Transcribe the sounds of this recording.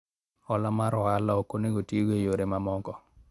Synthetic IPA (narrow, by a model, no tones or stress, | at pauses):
ɔlamaɾɔalaokoneɡotewejoɾemamɔkɔ